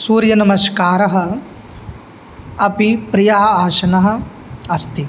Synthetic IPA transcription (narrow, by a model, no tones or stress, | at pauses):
suːɾjɐnɐmɐʃkaːɾɐɦɐ̆ | ɐpipɾijɐɦɐ̆aːʃɐnɐɦɐ̆ | ɐst̪i